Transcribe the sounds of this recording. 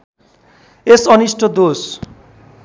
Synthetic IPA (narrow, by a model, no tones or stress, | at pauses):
esʌnisʈʰod̪os